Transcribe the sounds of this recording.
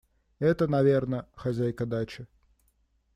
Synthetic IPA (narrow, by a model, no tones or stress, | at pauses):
ɛt̪ənɐvʲernəxɐzʲæjkɐd̪at͡ɕɪ